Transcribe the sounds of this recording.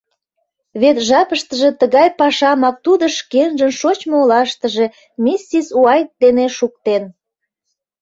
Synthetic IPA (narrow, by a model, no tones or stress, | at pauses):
βet̪ʒɑpəʃt̪əʒe̽t̪əɣɑjpɑʃɑmɑk̚t̪ud̪əʃkenʒənʃot͡ɕmoolɑʃt̪əʒe | mʲisʲːisuɑjt̪̚d̪eneʃuk̚t̪en